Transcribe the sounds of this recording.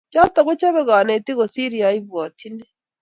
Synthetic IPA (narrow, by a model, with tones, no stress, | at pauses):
t͡ʃa˦ta˨ɣo˦t͡ʃa˦βe˦ɣaː˨ne˨ti˦ɣo˨si˦ɾi˨a˨˦i˦βwa˨tʰi˦ne˦